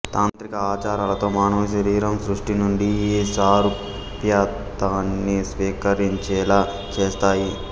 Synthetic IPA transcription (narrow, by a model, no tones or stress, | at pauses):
t̪aːnt̪ɾikɐaːt͡ʃaːɾaːlɐt̪o̞ːmaːɳɐʋuʃɐɾiːɾɐmsɾuʂʈinuɳɖieːsaːɾu | pjaːt̪aːnːisʋiːkɐɾiɲt͡ʃɛːlaː | t͡ʃeːst̪aːji